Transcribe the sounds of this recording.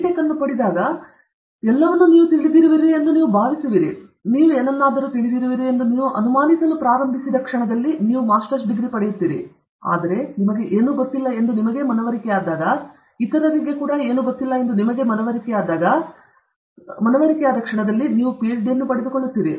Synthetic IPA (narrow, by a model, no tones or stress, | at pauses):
ʈɛkɐnːupɐɽid̪aːɡɐ | ɛlːɐʋɐnːuniːʋut̪iɭid̪iːɾiʋiːɾie̞nd̪uniːʋubʱaːʋisiʋiːɾḭ | niːʋueːnɐnːaːd̪ɐɾuːt̪iɭid̪iːɾiʋiːɾie̞nd̪uniːʋuʔɐnumaːnisɐlupɾaːɾɐmbʱisid̪ɐkʂɐɳɐd̪ɐlːiniːʋumaːsʈɐɾsɖiɡɾipɐɽɛjut̪ːiːɾḭ | a̰ːd̪ɐɾe̞nimɐɡe̞ʔeːnuːɡot̪ːilːɐe̞nd̪unimɐɡe̞mɐnɐʋɐɾikɛjaːd̪aːɡɐ | it̪ɐɾɐɾiɡe̞kuːɽɐe̞ːnuɡot̪ːilːɐend̪unimɐɡe̞mɐnɐʋɐɾikɛjaːd̪aːɡɐ | mɐnɐʋɐɾikɛjaːd̪ɐkʂɐɳɐd̪ɐlːiniːʋupiet͡ʃɖijɐnːupɐɽed̪ukoɭːut̪ːiːɾi